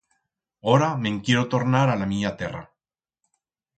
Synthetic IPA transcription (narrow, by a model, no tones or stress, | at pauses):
oɾameŋkiɾot̪oɾnaɾalamijat̪era̰